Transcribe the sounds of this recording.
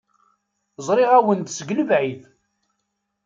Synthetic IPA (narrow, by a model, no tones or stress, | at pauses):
zˤɾˤiʁæwənd̪səɡnəvʕið